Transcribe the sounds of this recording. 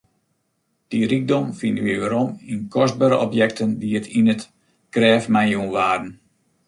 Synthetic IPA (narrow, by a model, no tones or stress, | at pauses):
d̥irik̚dɔmfinʋiəʋəɾɔminkʰɔsd̚baːɾəʔɔpjɛk̚təndiətʰinət | krɛːfmajunʋaːdən̩